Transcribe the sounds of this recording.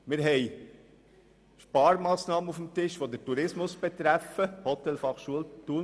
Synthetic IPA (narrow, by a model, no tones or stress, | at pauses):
mɪɾɦɛɪ | ʃpɑːɾmɑːsnɑːməufəmt̪ɪʃʋod̪əɾtuɾɪsmʊsb̥ɛt̪ɾæfəhɔt̪ɛlfɑχʃuəlt̪uː